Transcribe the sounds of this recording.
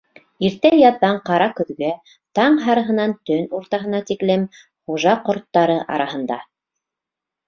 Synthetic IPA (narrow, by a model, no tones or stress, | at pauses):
iɾt̪æjɑðːɑɴqɑɾɑkɵ̆ðɡæ | t̪ɑɴɦɑɾɤ̆ɦɤ̆nɑnt̪ɵnuɾt̪ɑɦɤ̆nɑt̪iklɘm | χuʒɑqŏɾt̪ːɑɾɤʔɑ̰ɾɑhɤ̆nd̪ɑ